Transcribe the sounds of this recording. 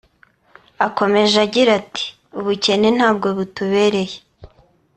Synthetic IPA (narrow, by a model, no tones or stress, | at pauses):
ako̞me̞ʒaɟiɾati̥ | uβuce̞nen̥aːb̚ɡo̞βutuβe̞ːɾe̞je